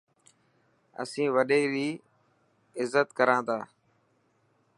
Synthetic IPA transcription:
ə̰sĩːʋəɗeːɾiː | ɪzːət̪kəɾãːd̪aː

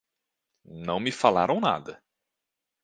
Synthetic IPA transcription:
nɐ̃w̃mɪfala̰ɾɐ̃w̃na̰d̪ɐ

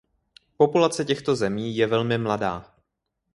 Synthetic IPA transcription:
po̞pulat͡sɛcɛxt̪o̞zɛmiːjɛvɛlmɪmladaː

